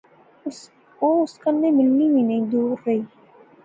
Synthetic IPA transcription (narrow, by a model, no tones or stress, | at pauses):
oːʊskənːẽmɪlnimĩnɐĩd̪uːɾːɐɦiː